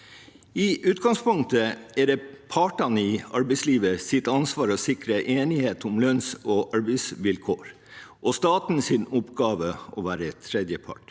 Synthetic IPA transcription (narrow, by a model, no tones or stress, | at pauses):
ɪʔʉːt̪ɡɑŋspʊŋk̚t̪əɛd̪ɛpʰɑːʈɑnəɪɑɾbɛɪsliːʋəsɪt̪ːəɑnsʋɑːɾɔsɪkɾəʔeːnɪheːt̪ʊmlœnsɔːʔɑɾbɛɪsʋɪlkʰoːɾ | ʔɔst̪ɑːt̪n̩sɪnʊpɡɑːʋəɔːʋæːɾət̪ʰɾɛd̪jəpʰɑ̰ʈ